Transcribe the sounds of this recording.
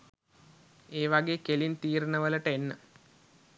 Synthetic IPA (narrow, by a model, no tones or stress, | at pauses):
eːʋaɡeːkelint̪iːɾunəʋələʈəenːə